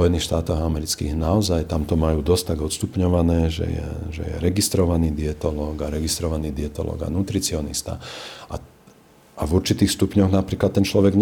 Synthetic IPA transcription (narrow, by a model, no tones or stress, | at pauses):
ɔjɛniːxʃt̪aːt̪ɔɣamɛɾit͡skḭːɣnaɔzajt̪amt̪ɔmajuːd̪ɔsct̪aɟɔt̪st̪upɲɔʋanɛːʒɛ̰jɛ̰ʒɛ̰jɛ̰ɾɛɡist̪ɾɔʋaniːd̪iɛt̪ɔlɔɡaɾɛɡist̪ɾɔʋaniːd̪iɛt̪ɔ̰lɔ̰ːɡa̰nut̪ɾit͡siɔnist̪a̰a | avuɾt͡ʃit̪iːxst̪upɲɔɣnapɾiːklat̪ːɛnt͡ʃlɔʋɛɡɲ